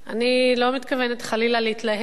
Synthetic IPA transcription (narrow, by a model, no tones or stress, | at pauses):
ʔanilo̞mit̪kavenet̪χalilaleit̪laɦ